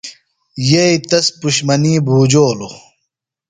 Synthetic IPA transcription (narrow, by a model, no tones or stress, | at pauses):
jeit̪ɐspuɕmɐniːbʱuːd͡ʑoːlo